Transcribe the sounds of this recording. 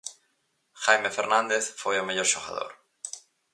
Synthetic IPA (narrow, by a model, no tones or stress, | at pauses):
xajmefeɾnãnd̪eθfojomeʎoɾʃoɣa̰ðo̰ɾ